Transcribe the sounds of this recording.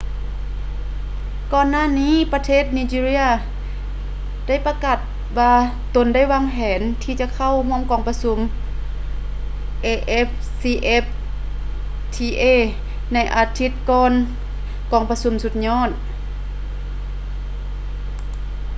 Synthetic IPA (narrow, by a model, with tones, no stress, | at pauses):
kɔː˧nːaː˥˨niː˧˥˨pa˧t̪ʰeː˥˩˨t̪̚niː˧t͡ɕiː˧ɾi˧˥˨ɐ | da˥˨jpa˧ka˧˩t̪̚ | waː˧ | t̪o˧˦nda˥˩jwaː˧˥ŋɦɛː˨˦nt̪ʰiː˧˩t͡ɕa˧˨kʰa˧˥˨whu˧˥˩əmkɔː˧˩ŋpa˧su˧˦m | ʔeː˧ʔe˦˥p̚ | siː˧ʔe˦˥p̚ | t̪ʰiː˧ʔeː˧˩˨ | na˧˩jʔaː˧˩t̪ʰi˧˥t̪̚kɔː˧n | kɔː˧˩ŋpa˧su˧˦msu˧˦t̪̚ɲɔː˧˥˩t̪̚